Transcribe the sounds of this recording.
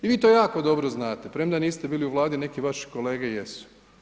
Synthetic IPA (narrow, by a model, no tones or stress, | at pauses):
iʋiːt̪oːjaːko̞d̪o̞bɾoznaːt̪e̞pɾemd̪aniːst̪ebiːliuʋlˠaːd̪ine̞kiʋaʃi̥ko̞leːɡejesu̥